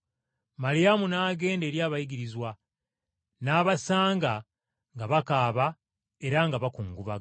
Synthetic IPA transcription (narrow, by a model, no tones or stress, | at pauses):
malijamunaːɡe̞ːnde̞ːɾjaːβajiɡiɾizwa | naːβasaːŋɡa | ŋɡaβakaːβa | e̞ɾaŋɡaβakuːŋɡuβa